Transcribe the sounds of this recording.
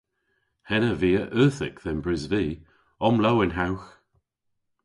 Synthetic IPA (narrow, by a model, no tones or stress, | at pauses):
hɛnəviːəʔœːθɪkðɛnbɹɪzviː | ɔmlowɪnɦawx